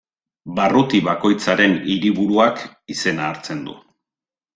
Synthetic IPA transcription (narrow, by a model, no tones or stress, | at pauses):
barut̪iβako̞jt͡saɾe̞niɾiβuɾuak | ise̞naːɾt͡se̞nd̪ṵ